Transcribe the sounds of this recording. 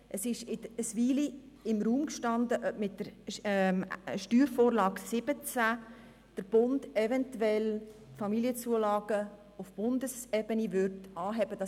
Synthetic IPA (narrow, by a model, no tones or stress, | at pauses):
ʔəsɪʃɪəsʋiːli | ɪmruːmkʃtɑndəʔmɪtdəɾ | ʃtyːɾfoːɾlɑːksɪb̥ət͡sa | d̥əɾb̥ʊndɛvɛntuɛl | tfɑmiliət͡suəlɑːɡ̥ə | ʊfb̥ʊndəsɛbənivʏɾtɑːɦɛbəd̥ɑ